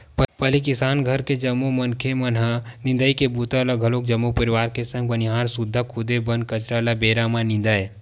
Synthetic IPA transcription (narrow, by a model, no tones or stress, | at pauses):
ppɐlikɪsaːnɡʱɐɾked͡ʒɐmːomɐnkʰemɐnɦanɪ̃nd̪əikebut̪alɐɡʱɐloːk̚d͡ʒɐmːopɐɾiʋaːɾkesɐ̃ŋɡ̚bɐniɦaːɾsʊd̪ʱːakʰʊd̪ebɐnkɐt͡ʃɾalabeːɾamãnɪ̃nd̪aːje